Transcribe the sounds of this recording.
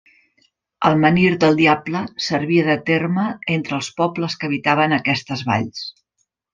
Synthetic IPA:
əlˠməniɾd̪əlˠd̪iabləsəɾβiəðət̪erməent̪ɾəːlˠspɔpləskəβ̞it̪aβənəkɛst̪əzβa̰ʎs

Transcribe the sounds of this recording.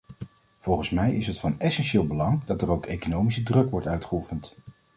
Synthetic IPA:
v̥ɔlˠχənsmɛjɪsɦətfɑnɛsɛnʃɪːlˠbəlɑŋdɑtərowkejkonowmisədrɵkʋɔɹtœɥtχəufənt

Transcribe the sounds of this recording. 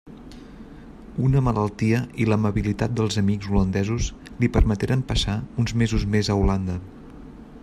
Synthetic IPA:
unəməlʔəlˠt̪iəiləməβilit̪at̪̚d̪əlˠzəmiɡzulənd̪ɛzus | lipəɾmət̪eɾəmpəsaunzmezuzmezəuland̪ə

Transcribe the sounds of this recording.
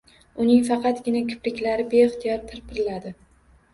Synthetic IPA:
ʊnɪŋfɑqʰɑt̪ɡʲɪnakʲʰʊ̥plɪkʲlaɾɪbeɪχt̪ʰijɒɾt̪ʰɪɾpʰɪɾɪlad̪ɪ

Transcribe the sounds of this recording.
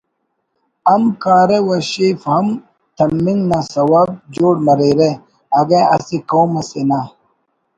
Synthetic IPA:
ɐmkaːɾewɐɕifhɐm | t̪ʰɐmːiŋɡnasɐwab̚d͡ʑoːɽmɐɾeɾe | ɐɡeɐsikoːmɐsena

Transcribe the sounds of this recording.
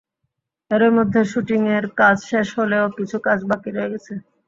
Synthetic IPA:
eɾemod̪ʱːeʃuʈiŋeɾkad͡ʑʃeʃɦoleokit͡ɕʰukad͡ʑbakiɾɔeɡɛt͡ɕʰe

